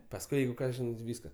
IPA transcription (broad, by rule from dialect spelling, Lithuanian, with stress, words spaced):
pɐsˈkʊɪ ˈjɛɪɡʊ ˈkɑː ˈʒʲɪnɐɪ ˈʋʲiːskɐ